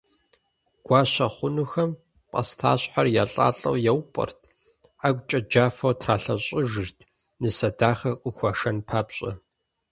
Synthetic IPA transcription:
ɡ̥ʷaːɕɐχʷʊnuxɐm | qʼɐ̰stʰa̰ːɕħarjaːɬʼa̰ːɬʼɐ̰wjɛwpʼɐ̰rtʰ | aɡʷt͡ʃʼɐd͡ʒaːfɐwtʰraːɬɐɕʼɪʒɨrtʰ | nɨsɐdaːχɐqʼʊxʷɐʂɐnpʰaːpɕʼɐ̰

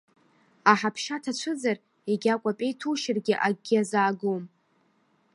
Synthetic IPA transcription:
aħapʰʃatʰat͡ʃʷʰɨd͡zar | eɡʲakʷʼapʼe̞jtʰuʃɪrɡʲɪʔaɡʲazaːɡuwm

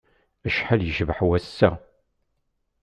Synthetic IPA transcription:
əʃħaljəʒvħwæsːæ

